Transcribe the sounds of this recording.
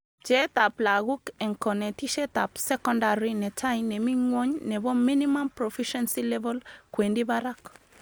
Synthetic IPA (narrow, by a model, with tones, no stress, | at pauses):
d͡ʒɛ˦ta˨pla˨ɣu˦kɛ˨ŋkɔ˨nɛ˨ti˦ʃɛ˦ta˨psɛ˦kɔnda˨ɾinɛ˨t͡ʃa˦jnɛ˨mi˦ŋwo˦ɲnɛ˨bɔ˦mi˦nima˦mpɾɔfiʃɛnsilɛbɔ˦lkwe˨ndi˦baɾak